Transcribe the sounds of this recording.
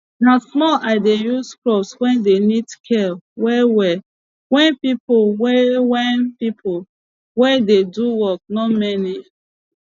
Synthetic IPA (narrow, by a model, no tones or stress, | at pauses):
nasmɔlʔaɪdejusklɔpswɛ̃ndenidkʰɛlwɛwɛ | wɛ̃npipowɛwɛnpipʰo | wɛdeduwɔk̚nɔmɛni